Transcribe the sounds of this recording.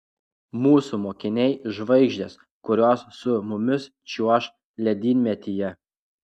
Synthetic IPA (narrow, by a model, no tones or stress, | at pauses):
muːsumoːkʲɪnʲɛɪʒʋɐɪɡʒʲd̪ʲeːs | kʊɾʲoːsːʊmʊmʲɪs | t͡ʃʲuɔʃ | lʲɛd̪ʲiːnʲmʲɛt̪ʲɪjɛ